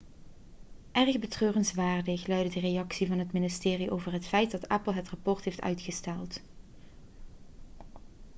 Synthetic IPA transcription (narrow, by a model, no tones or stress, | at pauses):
ʔɛrɣbətrøːrənsʋaːɹdəxlœɥdədərejɑksivɑnɦətmɪnɪstɪːriʔo̰wvərɦətfɛjt̚dɑtæpəl̩ˠɦətrɑpɔɹtɦejftœ̰ɥtxəstɛlˠt